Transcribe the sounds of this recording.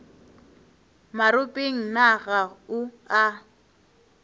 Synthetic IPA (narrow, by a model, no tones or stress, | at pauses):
maɾʊpʼeŋ̩naɣaʊ | a